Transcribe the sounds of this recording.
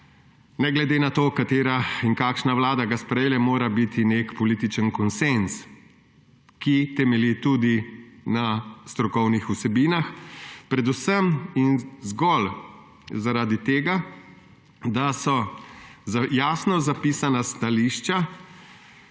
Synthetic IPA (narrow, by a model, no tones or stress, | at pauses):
nɛɡlɛd̪eːnat̪oːkat̪eːɾaiŋkaːkʃnawlaːd̪aɡaspɾɛjeːlɛmoːɾabit̪inekpɔliːt̪it͡ʃənkɔnsens | kit̪ɛmɛlit̪ud̪inast̪ɾɔkɔwnixusɛbiːnaxpɾɛd̪usəminzɡɔl | zaɾaːd̪it̪eːɡa | d̪asɔ | zajaːsnɔzapiːsanast̪aliʃt͡ʃa